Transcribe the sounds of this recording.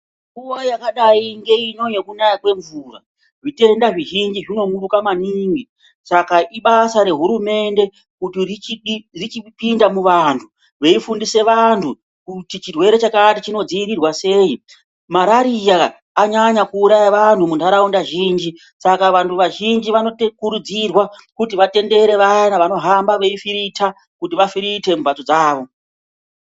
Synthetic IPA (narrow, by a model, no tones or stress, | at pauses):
ŋɡuwojakaɗaiŋɡe̞ino̞je̞kunajakwe̞ɱvuːra̰ | ʐite̞ndaʐiʒind͡ʒiʐino̞muɾukamaniːŋɡi | sakaʔiɓasaɾe̞ɦuɾume̞nde̞ | kutirit͡ʃiɗirit͡ʃipindamuʋantʰu | ʋe̞ifundise̞ʋantʰu | kutit͡ʃirwe̞ɾe̞t͡ʃakatit͡ʃino̞d͡ziiɾirwase̞ːi | maɾaɾijaː | ɲaɲakuːɾajaʋantumundʱaɾaundaʒiːnd͡ʒi | sakaʋantʰuʋaʒind͡ʒiʋano̞tekuɾud͡zirwakutiʋate̞nde̞ɾe̞ʋajanaʋano̞ɦambaʋe̞ifiɾitʰa | kutiʋafiɾite̞mubatod͡zaːʋo̞